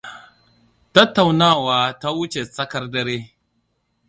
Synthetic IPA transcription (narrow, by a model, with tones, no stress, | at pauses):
tɐ˦tːa˨wnaː˦˨waː˨ta˦wʊ˦t͡ʃe˨sɐ˦kɐ˦rdɐ˦ɾeː˦